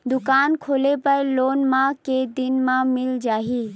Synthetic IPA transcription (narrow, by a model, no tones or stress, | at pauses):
d̪ʊkaːnkʰoːlepəloːnmãked̪ɪnmãmɪld͡ʒaːɦiː